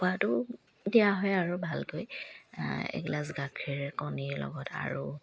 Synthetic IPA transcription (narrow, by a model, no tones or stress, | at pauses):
pʊatʊ | dijaɦɔjaɹubʱalkoj | ɛ̰ɡlas̬ɡakʰiɹkɔniɹlɔ̰ɡɔtʰa̰ɹu